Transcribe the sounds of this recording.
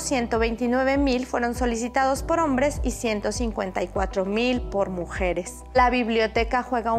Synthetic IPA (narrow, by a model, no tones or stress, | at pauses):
sje̞nt̪o̞βe̞jnt̪inwe̞β̞e̞milfwe̞ɾo̞nso̞lisit̪að̞o̞spo̞ɾo̞mbɾe̞sisje̞nt̪o̞siŋkwe̞nt̪aijkwat̪ɾo̞milpoɾmuxe̞ɾe̞s | laβiβljo̞t̪e̞kaxwe̞ɣa